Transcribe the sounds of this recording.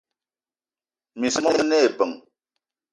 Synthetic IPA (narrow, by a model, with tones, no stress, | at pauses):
mi˨smɔ˦ne˦e˨pə˨ŋ